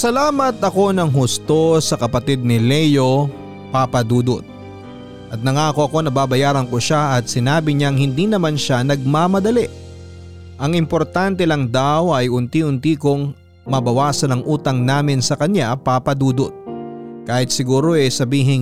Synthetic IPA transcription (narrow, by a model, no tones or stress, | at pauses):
sɐlaːmɐt̪ʔɐko̞nɐŋɦʊst̪o̞sɐkɐpɐt̪id̪̚nɪlɛjo̞ | papɐd̪uːd̪o̰t̪̚ | ʔɐt̪̚nɐŋaːkoʔɐko̞nɐbaːbɐjaːɾɐnkoʃaʔɐt̪̚sɪnaːbɪɲaŋhɪnd̪inɐmanʃanɐɡ̚maːmɐd̪ɐlɛ | ʔɐŋɪmpoɾt̪ant̪ɛlɐŋd̪awʔɐjʔʊnt̪iʔʊnt̪ikoŋ | mɐbɐwaːsɐnɐŋʔuːt̪ɐŋnaːmɪnsɐkɐɲjapapɐd̪uːd̪ot̪̚kaːhɪt̪̚sɪɡuːɾo̞ʔɛsɐbiːɦɪŋ